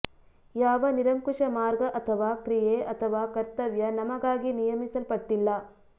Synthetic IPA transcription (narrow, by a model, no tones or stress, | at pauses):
jaːʋɐniɾɐmkuʂɐmaːɾɡɐʔɐt̪ʰɐʋaːkɾijeːʔɐt̪ʰɐʋaːkɐɾt̪ɐʋjɐnɐmɐɡaːɡinijɐmisɐlpɐʈːilːɐ